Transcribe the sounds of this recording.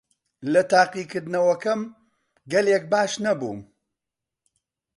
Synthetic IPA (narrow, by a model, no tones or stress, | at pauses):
lɐt̪aːqiːkɨɾd̪nɐwɐkɐm | ɡɐlek̚baːʃnɐbṵːm